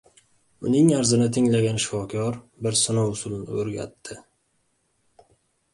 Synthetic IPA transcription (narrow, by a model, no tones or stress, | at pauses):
ʊnɪŋaɾzɪnɪt̪ʰɪŋlaɡʲanʃɪ̥fɒkʰʲɒɾ | bɪɾsɪnowʊsʊlˠnɪ̰oɾɡʲa̰t̪ʰːɪ